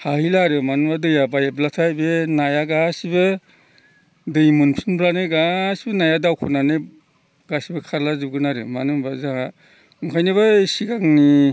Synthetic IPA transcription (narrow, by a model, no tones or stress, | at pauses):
hahilaɾɯmanɯbadɯjabajablatʰajbenajaɡasibɯ | dɯjmɯnpʰinblanɯɡasibɯnajadawkʰunanɯ | ɡasibɯkʰaɾlazɯbɡɯnaɾɯmanɯbazaŋa | mkʰajnɯβasiɡaŋni